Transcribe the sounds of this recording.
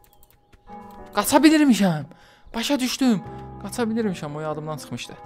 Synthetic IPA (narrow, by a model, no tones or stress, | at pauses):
ɡ̥ɑt͡ʃʰɑbiliɾmiʃæm | b̥ɑʃɑd̪yʃt̪ymɡ̥ɑt͡ʃʰɑbilʲiɾmiʃæmojɑd̪ɯmd̪ɑnt͡ʃʰɯ̥χmɯʃt̪ɯ